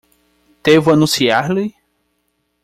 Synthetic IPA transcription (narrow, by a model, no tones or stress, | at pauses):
t̪evʊanũsiaɾlɪ